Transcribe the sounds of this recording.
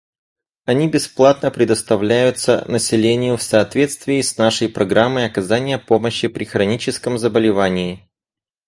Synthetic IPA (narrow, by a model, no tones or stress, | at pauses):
ɐnʲibʲɪsplˠat̪nəpɾʲɪd̪əst̪ɐvlʲæjʊt̪sə̰nəsʲɪlʲenʲɪjʊfsɐːt̪vʲe̞t̪st̪vʲɪːsʲnaʂəjpɾɐɡɾamːɨjɐkɐzanʲɪjəpoməɕːɪpɾʲɪxɾɐnʲit͡ɕɪskəmzəbəlʲɪvanʲɪː